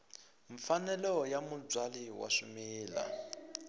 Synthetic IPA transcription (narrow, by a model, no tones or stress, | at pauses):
ɱfanɛlɔjamub͡ʐwaliwa̰ʂumiːla̰